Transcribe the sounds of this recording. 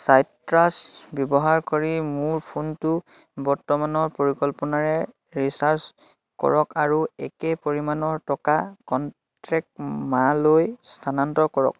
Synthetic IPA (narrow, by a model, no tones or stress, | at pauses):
saj | ɹasbjɔbɔɦaɹkoɹimuɹpʰuntʊ | bɔɹtɔmanɔɹpoɹikɔlpɔnaɹɛ | ɹisaɹs | kɔ̰ɹɔkaɹuɛkɛpoɹimanɔɹtɔkakɔn | tɹɛk̚tmalojstʰanantɔkɔɹɔ̰k̚